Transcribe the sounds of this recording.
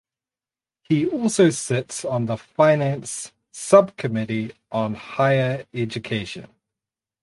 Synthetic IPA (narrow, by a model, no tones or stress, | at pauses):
hiɔˑlˠsəʊsɪtsn̩ðəfaɪnæ̃ns | ʌb̚kʰəmɪɾiʔə̃nhaɪəɹɛd͡ʒəkʰeɪʃə̰̃n